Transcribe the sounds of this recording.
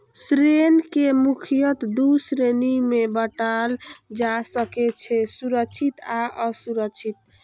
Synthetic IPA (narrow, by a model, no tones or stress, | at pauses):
sɾenkemukʰijət̪d̪usɾenimebəʈald͡ʒasəkɛt͡ʃʰɛsuɾəkt͡ʃʰit̪aʔəsuɾəkt͡ʃʰit̪̚